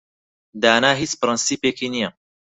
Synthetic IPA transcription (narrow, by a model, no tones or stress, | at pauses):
d̪aːnaːɦiːt͡spɨɾɨnsiːpeːkinijɐ